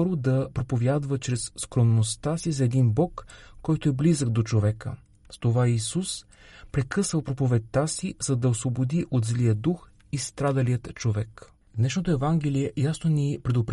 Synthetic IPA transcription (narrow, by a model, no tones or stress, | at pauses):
ɔɾod̪ɐpɾopovʲjad̪vət͡ʃɾɛsːkɾonnost̪asizɐɛd̪inbɔkːɔjt̪oɛblizəɡ̚d̪ot͡ʃovɛkə̰ | st̪ovaisus | pɾɛkɤsvəlˠpɾopovɛt̪ʲt̪ːasizɐd̪ɐosvobod̪iʔot̪zlijəd̪ux | ist̪ɾad̪əlijət̪t͡ʃovɛk | d̪nɛʃnot̪oɛvaŋɡɛliɛjasnonipɾɛd̪opɾ